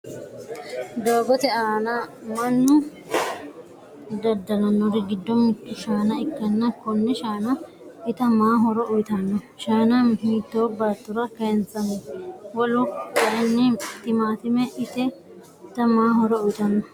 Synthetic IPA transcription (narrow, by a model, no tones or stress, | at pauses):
d̪oːɡɔt̪ɛaːnɐmɐnːʊ | d̪ɐd̪ːɐlɐnːɔɾɪɡɪd̪ːɔmɪkːɪʃaːnɐɪkːɐnːɐkɔnːɛʃaːnɐ | ɪt̪ɐmaːɦɔɾɔʔʊjt̪ɐnːɔ | ʃaːnɐhiːt̪ːoːbaːt̪ːʊɾɐkɐɛnt͡sːɐnɛwɔlʊkɐɪnːɛt̪ɪmaːt̪ɪmɛʔɪt̪ɛ | t̪ɐmaːɦɔɾɔʊjt̪ɐnːɔ